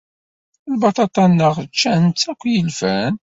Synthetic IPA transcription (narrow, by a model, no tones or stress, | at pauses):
lbɑt̪ˤɑt̪ˤɑnːəʁt͡ʃːænt͡s̪ːækʷːjəlfæn